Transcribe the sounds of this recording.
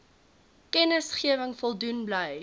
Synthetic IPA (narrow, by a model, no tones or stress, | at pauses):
kɛnəsχiəvəŋfɔlˠdunbləj